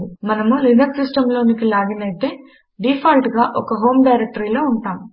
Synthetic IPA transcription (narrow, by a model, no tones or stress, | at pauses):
umɐnɐmulinɐksisʈɐmlo̞ːnikilaːɡinɐjt̪e̞ː | ɖiːpʰaːlʈɡaːʔɔkɐɦo̞ːmɖɐjɾek̚ʈɐɾiːlo̞ːuɳʈaːmu